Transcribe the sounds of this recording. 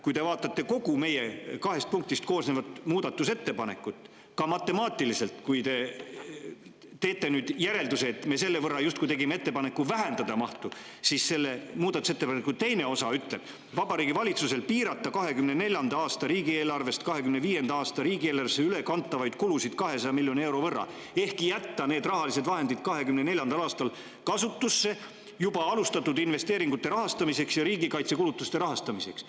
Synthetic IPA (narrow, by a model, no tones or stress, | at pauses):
kujt̪e̞vɑːt̪ːˑɑt̪ːe̞ko̞ɡ̥ume̞je̞kɑɦe̞st̪̚puŋk̚t̪ist̪̚ko̞ːsneːvɑt̪muːd̪̥ɑt̪ːˑuse̞t̪ːe̞pɑne̞̰kːˑut̪ːˑ | kɑmɑt̪ːˑe̞mɑːt̪ːˑilise̞lt̪kujt̪e̞ | t̪e̞ːt̪ːe̞nyːd̪jæɾe̞ld̪useːt̪ːˑme̞se̞lːe̞vɤrːɑjust̪kujt̪e̞ɡimeet̪ːe̞pɑne̞kːˑuvæɦænd̪̥ɑd̪ɑmɑht̪u | siːsse̞lːemuːd̪ɑt̪ːˑu̥set̪ːepɑnekːut̪e̞jne̞o̞sɑyt̪le̞b̥ | vɑbɑɾiːɡivɑlʲit̪suse̞lpiːɾɑt̪ːɑkɑɦe̞kymnene̞lʲjɑnd̪ɑɑːst̪ɑɾiːɡie̞ːlɑrve̞st̪kɑɦe̞kymneviːje̞nd̪ɑɑːst̪ɑɾiːɡie̞ːlɑrveseyle̞kɑnt̪ːˑɑvɑjd̪̥kulusid̪̥kɑɦe̞sɑj̪ɑmilʲːjo̞nie̞wɾo̞vɤrːɑ̰ | e̞hkijæt̪ːɑne̞ːd̪rɑɦɑlise̞d̪vɑɦe̞nd̪̥id̪̥kɑɦe̞kymne̞ne̞lʲjɑnd̪̥ɑlɑːst̪ɑl | kɑsut̪ːusːe̞ | jubɑɑlust̪ɑt̪ːud̪inve̞st̪e̞ːɾiŋɡ̥ut̪ːe̞ɾɑɦɑst̪ɑmise̞ksjɑɾiːɡikɑjt̪se̞kulut̪ːˑust̪e̞ɾɑɦɑst̪ɑmise̞ks